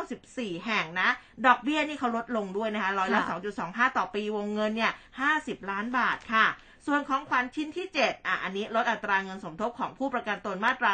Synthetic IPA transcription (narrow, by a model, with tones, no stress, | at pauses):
wsi˨˩p̚siː˨˩ɦɛ˨˩ŋna˦˥ | dɔː˨˩k̚bi˥˩ɐniː˥˩kʰa˦˥wɾo˦˥t̪̚lo˧ŋdu˥˩əjna˦˥kʰa˦˥ɾɔː˦˥jla˦˥sɔː˩˦ŋt͡ɕu˨˩sɔː˩˦ŋɦaː˥˩t̪ɔː˨˩piː˧wo˧ŋːɤ˧nːi˥˩ɐhaː˥˩si˨˩p̚laː˦˥nbaː˨˩t̪̚kʰa˥˩ | su˨˩ənkʰɔː˩˦ŋkʰa˧nt͡ɕʰi˥˩nt̪ʰiː˥˩t͡ɕe˨˩t̪̚ʔaː˨˩ʔa˧nːiː˦˥ɾo˦˥t̪̚ʔa˨˩t̪ːɾaː˧ŋɤ˧nso˩˦mt̪ʰo˦˥p̚kʰɔː˩˦ŋpʰuː˥˩pɾa˧ka˧nt̪u˧nmaː˥˩t̪ɾa˧